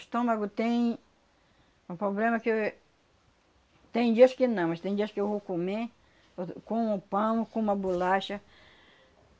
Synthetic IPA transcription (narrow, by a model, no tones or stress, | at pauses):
st̪õmaɡʊt̪ẽj̃ | ũpɾoblẽmɐke | t̪ẽj̃d͡ʒiɐskɪnɐ̃w̃mɐst̪ẽj̃d͡ʒiskewvokome | kõũpãmkõũmɐbulaʃɐ